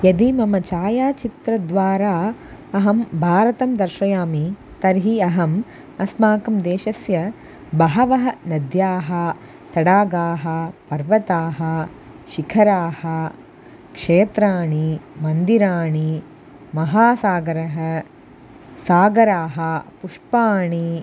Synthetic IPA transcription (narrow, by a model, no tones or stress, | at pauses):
jɐd̪imɐmɐt͡ʃaːjaːt͡ʃit̪ɾɐd̪ʋaːɾaːɐɦɐmbʱaːɾɐt̪ɐmd̪ɐɾʃɐjaːmi | t̪ɐɾɦiɐɦɐm | ɐsmaːkɐmd̪eːʃɐsjɐ | bɐɦɐʋɐɦɐnɐd̪jaːɦɐ | t̪ɐɽaːɡaːɦɐ̆pɐɾʋɐt̪aːɦɐ̆ | ʃikʰɐɾaːhɐ̆ | kʂeːt̪ɾaːɳimɐnd̪iɾaːɳi | mɐɦaːsaːɡɐɾɐɦɐ | saːɡɐɾaːɦɐ̆puʂpaːɳi